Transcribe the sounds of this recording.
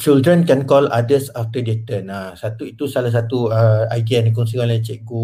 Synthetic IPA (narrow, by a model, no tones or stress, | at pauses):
t͡ʃildɾə̃nkɛnkɔladəsaft̪ədet̪ənasat̪uit̪usalas̬at̪uəaɡɛnkɔŋsikãnlajt͡ʃɛʔ̚ɡu